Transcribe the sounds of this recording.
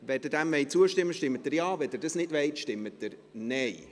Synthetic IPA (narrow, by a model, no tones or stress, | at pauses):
vɛd̥əd̥æmvɛɪt͡suəʃtɪmːəʃtɪmːətdəɾjɑːvɛdəɾdɑsnɪdvɛɪtʃtɪmːət̚dəɾnɛɪ